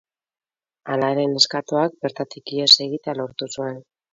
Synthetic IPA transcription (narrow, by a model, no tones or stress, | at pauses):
alaeɾe̞ne̞skat̪oak̚be̞ɾt̪at̪ikie̞se̞ɣit̪ealo̞ɾt̪usue̞n